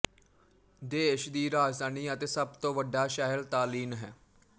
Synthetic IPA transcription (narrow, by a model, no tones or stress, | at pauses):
d̪eːʃd̪iːɾaːd͡ʒd̪aːniːət̪eːsəbt̪õːʋəɖːaːʃaːɦəlt̪aːliːnɦɛː